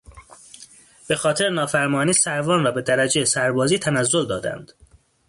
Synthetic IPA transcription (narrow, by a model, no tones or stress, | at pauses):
b̥e̞xɒːt̪ʰe̞ɾenɒːfæɾmɒːniːsæɾvɒːnrɒːbe̞d̪æɾæd͡ʒejesæɾbɒːziːt̪ʰænæzːo̞ld̪ɒːd̪æ̰nd̪̥